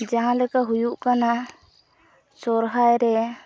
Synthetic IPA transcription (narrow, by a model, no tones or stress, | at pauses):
d͡ʒaɦãlɛkaɦujuʔkana | t͡ʃɔɾɦajɾɛ